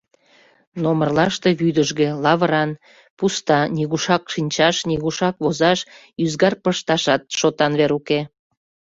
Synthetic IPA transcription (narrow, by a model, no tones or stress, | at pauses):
nomərlɑʃt̪eβyd̪əʒɣelɑβəɾɑn | pust̪ɑnʲiɣuʃɑkʃinʲt͡ɕɑʃniɣuʃɑkβozɑʃ | yzɡɑrpəʃt̪ɑʃɑt̪̚ʃot̪ɑnβeɾuke